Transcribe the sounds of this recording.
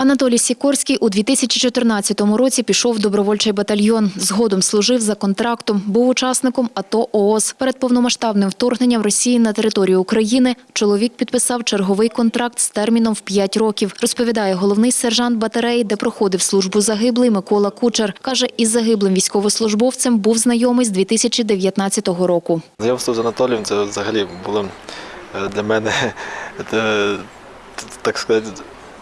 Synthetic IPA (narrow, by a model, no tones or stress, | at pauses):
ɐnɐt̪ɔlʲijsʲikɔrsʲkʲijʔud̪ʲʋʲit̪ɪsʲɐt͡ʃʲit͡ʃɔt̪ɪrnɑt͡sʲːɐt̪ɔmʊɾɔt͡sʲipʲiʃɔwd̪ɔbɾɔʋɔlʲt͡ʃɛjbɐt̪ɐlʲjɔnzɦɔd̪ɔmslˠʊʒɪwzɐkɔnt̪ɾɑkt̪ɔmbuwʊt͡ʃɑsnɪkɔmɐt̪ɔʔɔɔspɛɾed̪̚pɔwnɔmɐʃt̪ɑbnɪmwt̪ɔrɦnenʲːɐmrɔsʲijinɐt̪e̞ɾɪt̪ɔɾʲijʊːkɾɐjinɪ | t͡ʃɔlˠɔʋʲik̚pʲid̪̚pɪsɑwt͡ʃerɦɔʋɪjkɔnt̪ɾɑk̚t̪st̪ɛrmʲinɔmwpʲjatʲrɔkʲiwrɔspɔʋʲid̪ɑjɛɦɔlˠɔwnɪjsɛrʒɑnt̪̚bɐt̪eɾɛjd̪ɛpɾɔxɔd̪ɪwslˠuʒbʊzɐɦɪblˠɪjmɪkɔlˠɐkut͡ʃerkɑʒɛʔizːɐɦɪblˠɪmʋʲijsʲkɔʋɔslˠʊʒbɔwt͡sʲɐmbuwznɐjɔmɪjzd̪ʲʋʲit̪ɪsʲɐt͡ʃʲid̪eʋʲjɐt̪nɑt͡sʲːɐt̪ɔɦɔɾɔkʊzɐjɔmslˠɔzɐnɐt̪ɔlʲijimsɛʋzɐɦɐlʲibulˠɔ | d̪lʲɐmɛnɛ | t̪ɑkskɐzatʲ